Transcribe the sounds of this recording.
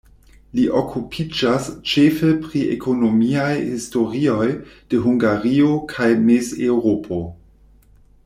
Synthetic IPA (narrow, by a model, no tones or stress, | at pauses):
liʔokʰupʰid͡ʒast͡ʃefepɾiḛkʰonomiajhisto̞ɾio̞jd̥eɦuŋɡaɾiokʰajmezewɾopʰo